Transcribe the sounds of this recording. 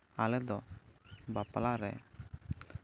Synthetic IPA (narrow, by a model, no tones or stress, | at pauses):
alɛd̪ɔ | bapalaɾɛ̰